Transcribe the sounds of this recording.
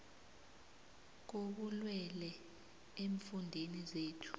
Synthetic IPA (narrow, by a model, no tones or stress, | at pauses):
k̬ok̬ulwɛlɛ | eɱfundʱenizeːtʰu̥